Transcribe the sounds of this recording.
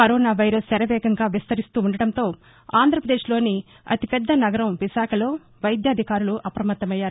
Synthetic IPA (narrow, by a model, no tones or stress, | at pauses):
kɐɾoːnaːʋɐjɾɐst̪ɛɾɐʋɛːɡɐŋɡaːʋist̪ɐɾist̪uːuɳɖɐɽɐnt̪o̞ː | aːnd̪ɾɐpɾɐd̪e̞ːʃlo̞ːni | ɐ̰t̪ipɛd̪ːɐnɐɡɐɾɐmʋiʃaːkʰɐlo̞ː | ʋɐjd̪jaːd̪ʱikaːɾuluʔɐpɾɐmɐt̪ːɐmɐjːaːɾu